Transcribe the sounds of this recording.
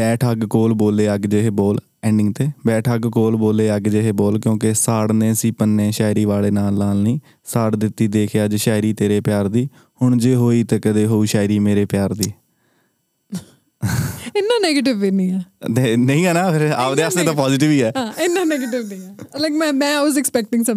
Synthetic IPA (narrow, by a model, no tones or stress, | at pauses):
bɛːʈʰəɡkoːlboːleːəɡd͡ʒeɦeːbɔːl | ɛ̃ːɳɖɪŋɡt̪eːbɛːʈʰəɡkoːlboːleːəɡd͡ʒeːɦeːbɔːlkjõːkesaːɽnẽːsiːpənːeːʃaːɪɾiːʋaːleːnaːlːaːlnĩː | saːɽd̪ɪt̪ːiːd̪eːkʰjaːd͡ʒʃaːɪɾiːt̪eːɾeːpɪjaːɾd̪iː | hʊɳd͡ʒeːɦoːiːt̪eːkəd̪eːɦoːuːʃaːɪɾiːmeːɾeːpjaːɾd̪iː | ɪnːãːneːɡeːʈ̬ɪʋːeːnĩːɛːt̪eːnəĩːɛːnaːpʰɪɾaːpd̪eːasd̪eːt̪ãpɔːzʈɪʋiːɛːɦaːɪnːãːneːɡeːʈɪʋnĩːɛːlaɪkmɛ̃ːmɛ̃ːaʋɔzɛkspɛk̚ʈɪ̃ŋsə